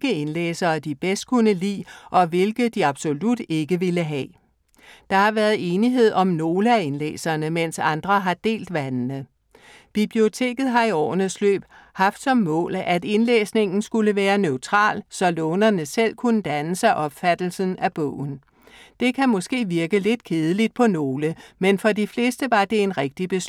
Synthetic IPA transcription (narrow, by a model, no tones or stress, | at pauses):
ɡ̥əenlḛːsɐːd̥ib̥esd̥̚kʰunəlḭːʔɒ̽ʋe̝lɡ̥ð̩ˠd̥iɑ̈b̥so̝lud̥e̝ɡ̥əʋeləɦɛ | d̥ɑ̈hɑ̈ʋæːɐðˠe̝ːniɦe̝ð̞̰ˠɒ̽mno̝ːləæe̝nlḛːsɐːnəmen̰sɑ̈nd̥ʁɐɦɑ̈d̥e̝̰ːld̥ʋænnə | b̥ib̥lio̝t͡sʰe̝̰ːɡ̥ð̞̩ˠɦɑ̈iɒ̰ːnəslø̰ːb̥ | hɑ̈fd̥sɒ̽mːɔ̰̽ːlæd̥e̝nlḛːsne̝ŋ̰n̩sɡ̥uləʋæːɐnøʊt͡sʰʁɑ̰̈ːlsɒ̽lɔ̽ːnɐnəsel̰kʰunəd̥ænəsɑ̈ɪʔɒ̽b̥fæd̥l̩sən̩æb̥ɔ̰ːn̩ | d̥e̝kʰæmɔ̽sɡ̥e̝̰ːʋiɐɡ̥əle̝d̥kʰe̝ːð̞ˠəlid̥̚pʰɒ̽no̝ːləmenfɒ̽difle̝ːsd̥əʋɑ̈d̥e̝e̝nʁɛɡ̥̚d̥ib̥e̝s